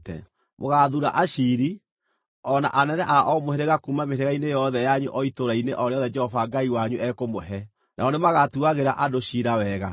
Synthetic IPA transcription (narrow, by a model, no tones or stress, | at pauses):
tɛ̰ | mʔoɣaðuɾa̰ʔaʃiɾi | ɔna̰ʔanɛnɛʔaʔɔmoheɾeɣakumameɾeɣainejɔðɛjaɲuʔɔitoɾaineʔɔɾeɔðɛd͡ʒɛhɔvaɡaiwaɲuʔɛkomoɦɛ | nʔa̰ɔnemaɣatuaɣeɾaʔadoʃiɾawɛɣa